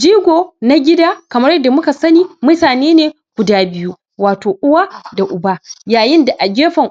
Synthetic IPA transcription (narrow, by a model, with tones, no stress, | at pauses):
d͡ʒiː˦ɡʷoː˨na˦ɡʲɪ˦daː˦kɐ˨mɐ˦rjɐ˦dːa˨mʊ˦ka˨sɐ˦niː˦mʊ˦taː˨neː˦neː˨ | ɡʷʊ˨daː˦bɪ˦ju˦ | waː˨toː˨ʔʊ˦wa˦da˨ʔʊ˨baː˦jaː˨jɪ˦nda˨ʔa˨ɡʲeː˦ɸɐ˨ŋ